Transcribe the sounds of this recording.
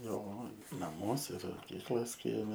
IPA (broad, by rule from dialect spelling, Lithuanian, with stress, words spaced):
ˈjoː nɐˈmuɔsʲɛ ɪr moːˈkʲiːklˠɐs ˈkʲiɛmʲɛ